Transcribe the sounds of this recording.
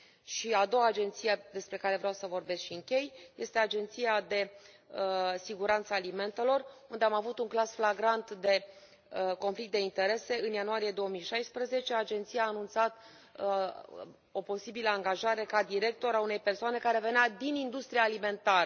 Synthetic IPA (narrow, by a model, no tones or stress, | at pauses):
ʃiad̪o̞waːd͡ʒe̞nt̪sijad̪e̞spɾe̞kaɾe̞vɾeawsəvo̞rbe̞skʃiɨŋkʲe̞jje̞st̪e̞ad͡ʒe̞nt̪sijad̪e̞ | əsiɡuɾant̪səːlime̞nt̪e̞lo̞rund̪e̞amavut̪uŋklasflaɡɾant̪d̪e̞ | ko̞nflik̚t̪d̪e̞int̪e̞ɾe̞se̞ɨnjanuaɾije̞d̪o̞wəmijʃajspɾəze̞t͡ʃe̞ad͡ʒe̞nt̪sijaːnunt̪sat̪ | o̞po̞sibiləaŋɡaʒaɾe̞kad̪iɾe̞k̚t̪o̞ɾaune̞jpersoane̞kaɾe̞ve̞nad̪inind̪ust̪ɾiaːlime̞nt̪aɾə